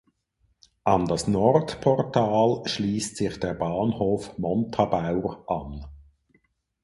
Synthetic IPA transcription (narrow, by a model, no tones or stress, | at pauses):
ʔɑndɑsnɔrtpʰɔrtʰaːlʃliːstsɪχd̥ɛːʁbɑːnhoːfmɔntʰɑb̥aʊʁʔɑn